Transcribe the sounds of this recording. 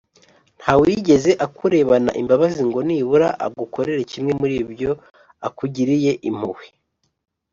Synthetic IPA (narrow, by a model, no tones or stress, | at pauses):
n̥hawiɟe̞ze̞ʔakuɾe̞βana̰ʔimbaβaziŋɡo̞niβuɾaʔa̰ɡukʰo̞ɾe̞ɾecimŋe̞muɾiːbɟo̞ | akuɟiɾije̞ʔim̥uwe̥